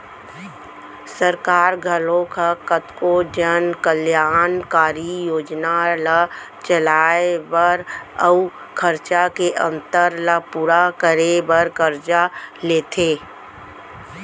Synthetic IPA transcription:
səɾkaːɾɡʱəlõkakət̪kod͡ʒənkəljaːnkaːɾijoːd͡ʒnala | t͡ʃəlaːebəɾəu | kʰəɾt͡ʃakeʔə̃nt̪əɾlapuːɾakəɾebəɾkəɾt͡ʃaleːt̪ʰeː

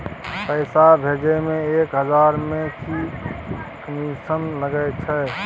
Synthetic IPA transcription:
pəɪsabʱed͡ʒemeekɦəd͡ʒaɾmẽki | kəmisənləɡət͡ʃʰɛ

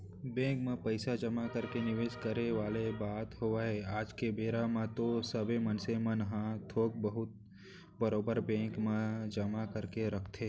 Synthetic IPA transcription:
bẽːkmãpəɪsad͡ʒɐmakəɾkenɪʋeːd͡ʒkəɾeʋaːlebaːt̪ɦoʋaɦeaːd͡ʒkebeːɾamãt̪osəbemɐnsemɐ̃nɦãt̪ʰoːɡ̚bəɦʊt̪̚ | bəɾoːbəɾbẽːkmãd͡ʒɐmakəɾkeɾɐkʰt̪ʰeː

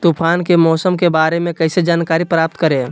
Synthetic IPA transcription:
t̪upʰaːnkemɔːsəmkebaːɾemẽkəɪsed͡ʒaːnkaːɾipɾaːp̚t̪kəɾe

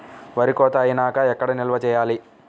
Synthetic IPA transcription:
ʋɐɾikɔːt̪aːjinaːkɐɛkːɐɽɐnilʋɐt͡ʃɛːjaːli

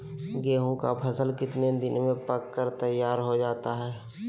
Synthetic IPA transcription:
ɡeːɦũka̰pʰəsəlkɪt̪ned̪ɪnmẽpəkːəɾt̪əjːaːɾɦod͡ʒaːt̪aɦɛː

